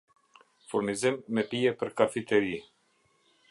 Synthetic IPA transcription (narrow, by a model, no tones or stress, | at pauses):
fuɾnizimːɛpiɛpəɾkafit̪ɛɾi